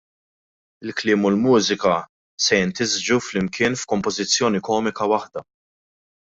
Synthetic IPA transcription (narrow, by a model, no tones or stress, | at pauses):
ɪlklɪːmʊlmuːzɪkɐ | sɛjɪnt̪ɪzd͡ʒuflɪmkʰɪːnfkɔmpɔzɪt͡sːjɔːnikɔːmɪkɐwɐħd̪ɐ